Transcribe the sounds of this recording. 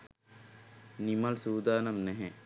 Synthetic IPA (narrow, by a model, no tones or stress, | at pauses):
nimɐlsuːd̪aːnɐmnɛɦɛ